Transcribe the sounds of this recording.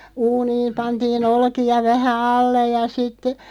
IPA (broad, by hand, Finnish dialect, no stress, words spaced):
uːniːm pɑntiːn olkiɑ ʋæhæ ɑlːej jɑ sitːe